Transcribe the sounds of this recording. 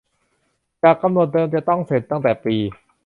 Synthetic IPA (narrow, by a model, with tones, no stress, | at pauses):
t͡ɕaː˨˩kːa˧mnu˨˩ət̪̚dɤː˧mt͡ɕa˨˩t̪ɔ˥˩ŋse˨˩˦t̪ːa˥˩ŋt̪ɛː˨˩piː˧